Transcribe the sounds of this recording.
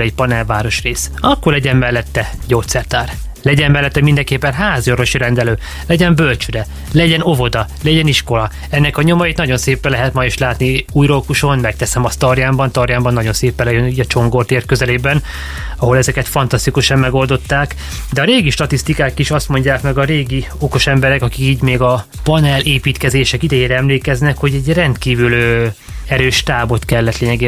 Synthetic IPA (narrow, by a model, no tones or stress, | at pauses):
ɛɟpɒnɛlvaːɾo̞ʃreːsɒkːorlɛɟɛmːmɛlːɛt̪ːɛ | ɟoːt̪sɛrt̪aːr | lɛɟɛmmɛlːɛt̪ːɛmind̪ɛŋkeːpːɛnɦaːzoɾo̞ʃiɾɛnd̪ɛløː | lɛɟɛmbølt͡ʃyɾɛ | lɛɟɛno̞vo̞d̪ɒlɛɟɛniʃko̞lɒ | ɛnːɛkɒɲo̞mɒjit̪nɒɟo̞nseːpɛlɛɦɛt̪mɒjiʃlaːt̪niuːjɾokuʃo̞nmɛk̚t̪ɛsɛmɒst̪ɒrjaːmbɒnt̪ɒrjaːmbɒnːɒɟo̞nseːpɛlɛjøniɟɒt͡ʃo̞ŋɡort̪eːrkøzɛleːbɛn | ɒɦo̞lɛzɛkɛt̪fɒnt̪ɒst̪ikuʃɒmːɛɡo̞ld̪o̞t̪ːaːk | d̪ɛɒɾeːɡiʃt̪ɒt̪ist̪ikaːkiʃɒst̪mo̞ɲɟaːkmɛɡɒɾeːɡi | o̞ko̞ʃɛmbɛɾɛkɒkikiːɟmeːɡɒ | pɒnɛleːpiːt̪kɛzeːʃɛkid̪ɛjeːɾɛɛmleːkɛznɛkho̞ɟɛɟrɛnt̪kiːvylø | ɛɾøːʃt̪aːbo̞t̪kɛlːɛt̪leːɲɛɡeː